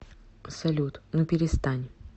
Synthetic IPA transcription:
ɐpsɐlʲut̪nɨpʲɪɾʲɪst̪anʲ

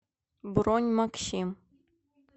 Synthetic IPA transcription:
bɾonʲmakɕim

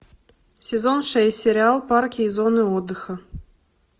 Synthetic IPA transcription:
sʲɛzɔnʂɛsʲɛɾʲɪalˠparkʲiːzɔnɨɔd̪ːɨxɐ

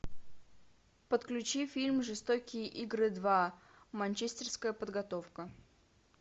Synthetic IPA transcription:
pət̪klʲʉt͡ɕifʲilʲmʐɨst̪okʲɪjəʔiɡɾɨd̪va | mɐnʲt͡ɕesʲt̪ʲɪrskəjəpəd̪ɡɐt̪ofkə

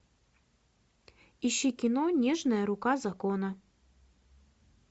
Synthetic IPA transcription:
iɕːikʲɪnonʲeʐnəjəɾʊkazɐkonə

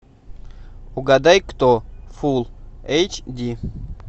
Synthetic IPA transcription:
uɡad̪ajkt̪ofulˠejt͡ʃd̪ʲi

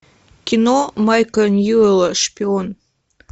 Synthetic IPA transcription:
kʲinomɑjkənjulʃpʲion

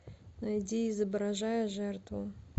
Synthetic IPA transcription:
nɐjdʲiɪzəbɾɐʐajəʐɛrt̪vʊ

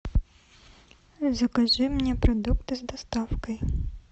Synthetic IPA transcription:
zɐkaʒɪmnʲɛpɾɐd̪ukt̪ɪzd̪ɐst̪ɑwkɐj

